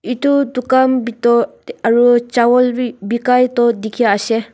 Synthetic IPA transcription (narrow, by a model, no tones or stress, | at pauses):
itudukambitɔ | aɹut͡ʃawɔlbikajtɔdikʰijaːsɛ